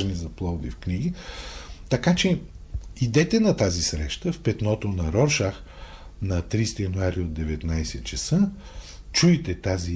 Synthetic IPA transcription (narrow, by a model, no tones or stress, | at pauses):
ʒnizɐplˠɔd̪ifkniɡi | t̪ɐkat͡ʃɛid̪ɛt̪ɛnɐt̪azisɾɛʃt̪əfpɛt̪nɔt̪onɐɾɔɾʃax | nɐt̪ɾist̪ijɐnuaɾiod̪d̪ɛvɛt̪najsɛt̪t͡ʃɐsə | t͡ʃuit̪ɛt̪azi